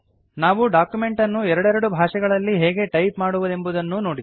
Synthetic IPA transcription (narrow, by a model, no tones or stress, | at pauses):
naːʋuɖaːkjume̞ɳʈɐnːuɛɾɐɽɛɾɐɽubʱaːʂɛɡɐɭɐlːiɦɛːɡe̞ʈɐjpmaːɽuʋud̪e̞mbud̪ɐnːuno̞ːɽi